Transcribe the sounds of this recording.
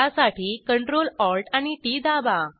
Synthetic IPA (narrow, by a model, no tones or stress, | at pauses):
asaʈʰiːkəɳʈɾolɔlʈañiʈid̪aba